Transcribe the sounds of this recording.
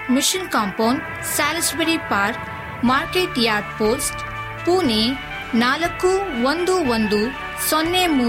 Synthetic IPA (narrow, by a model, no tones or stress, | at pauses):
mɪʃənkaːmpaːnɖ | saːlsbeɾipaːɾk | maːɾkeːʈjaːɾɖpoːsʈ | puːne | naːlɐkːuʋɐnd̪uʋɐnd̪u | sɔnːemu